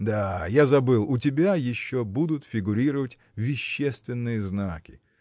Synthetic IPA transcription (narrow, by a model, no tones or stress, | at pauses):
d̪ajazɐbɨlˠʊt̬ʲɪbʲajɪɕːobud̪ʊt̪fʲɪɡʊɾʲiɾəvətʲ | vʲɪɕːest̪vʲɪnːɨjəznakʲɪ̥